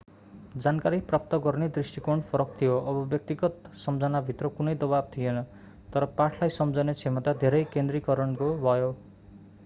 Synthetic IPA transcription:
d͡zankaɾiprap̚t̪ʌɡʌrned̪risʈikoɳpʰʌɾʌk̚t̪ʰijoʔʌbʌbjʌk̚t̪iɡʌt̪sʌmd͡zʌnabʱit̪rʌkunʌjd̪ʌbab̚t̪ʰijenʌ | t̪ʌɾʌpaʈʰlajsʌmd͡zʌnet͡sʰemʌt̪ad̪ʱeɾʌjkend̪rikʌɾʌnkobʱʌjo

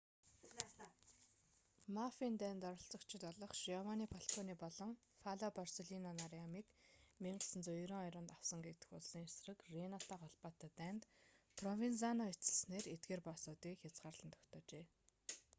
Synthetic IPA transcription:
mafiːnt̪æːnt̪ɔɾɞ̆ɬt͡sɞ̆kt͡ɕʰɪ̆t̪ɔɮɞ̆χʃiɔwaniːpʰɔɬkʰɔniːpɔɮɞ̆ŋ | faɮapɔrseɮinɔnaɾiamiːkmiɴɢə̆ɮsə̆nt͡sɔjɾŏŋɔjɾʊ̆nt̪aw̥sə̆ŋɡet̪ɘ̆xʊɮsiːŋesrə̆krenat̪ʰaːχɔɮpaːt̪at̪æːnt̪pʰrɔwint͡sanɔet͡sə̆ɮsneːret̪ɡeːrpasʊːt̪iːkxʲat͡sɢaːrɮ̥ə̆nt̪ʰɔ̥kt̪ʰɔːt͡ɕeː

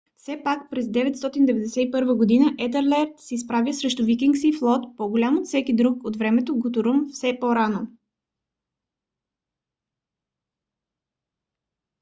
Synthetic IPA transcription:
fsɛpakpɾɛzd̪ɛvɛt̪st̪ɔt̪ind̪ɛvɛd̪ɛsɛipɤɾvəɡod̪inəʔɛt̪ɛɾlɛɾt̪sɛispɾavjəsɾɛʃt̪ʊvikʲiŋksiflˠɔt̪poɡolʲamot̪fsɛkid̪ɾukot̪vɾɛmɛt̪oɡot̪ʊɾumfsɛpoɾano

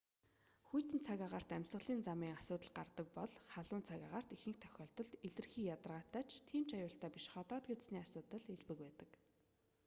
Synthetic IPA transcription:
xujt̪ɘ̆nt͡sʰaɣʲaʁaːr̥t̪æmʲsə̆ɮiːnt͡samiːŋasʊːt̪ə̆ɮɢart̪ə̆k̚pɔɮχaɮʊːnt͡sʰaɣʲaʁaːr̥t̪ixɘ̆k̚t̪ʰœ̥xʲɔːɬt̪ɞ̆ɮeɮɘ̆rxiːjat̪ə̆rʁaːt̪æːt͡ɕʰt̪ʰiːmt͡ɕajʊːɬt̪æːpiʃχɔt̪ɔːt̪ɡetsniːasʊːt̪ə̆ɮeɮpɘ̆k̚pæːt̪ə̆k

